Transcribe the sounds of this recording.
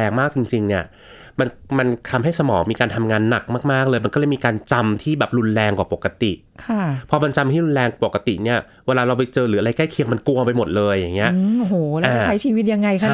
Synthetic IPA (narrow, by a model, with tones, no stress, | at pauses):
ɛː˧ŋmaː˥˩k̚t͡ɕi˧ŋt͡ɕi˧ŋni˦˥˩ɐ | ma˧nma˧nt̪ʰa˧mɦa˥˩jsa˧mɔː˩˦ŋmiː˧kaː˧nt̪ʰa˧mŋaː˧nːa˨˩k̚maː˥˩k̚maː˥˩k̚lɤː˧jma˧nklɤː˧˩jmiː˧kaː˧nt͡ɕa˧mt̪ʰiː˥˩bɛː˨˩p̚ɾu˧nlɛː˧ŋkaː˨˩po˨˩kːa˧t̪ḭ˨˩ʔ | kʰa˥˩pʰɔ˧ma˧nt͡ɕa˧mt̪ʰiː˥˩ɾu˧nlɛː˧ŋka˨˩po˨˩ka˧t̪i˨˩ni˥˩ɐ | weː˧laː˧ɾa˧wpa˧jt͡ɕɤː˧ɾɯː˩˦a˧ɾa˧jkla˥˩jkʰi˧əŋma˧nku˧ɐpa˧jmo˨˩t̪̚lɤː˧jːa˨˩ŋːi˦˥ɐʔʔo˧˩hoː˨˩lɛ˦aːkːt͡ɕa˦˥jt͡ɕʰiː˧wi˦˥t̪̚ja˧ŋːa˧jkʰa˥˩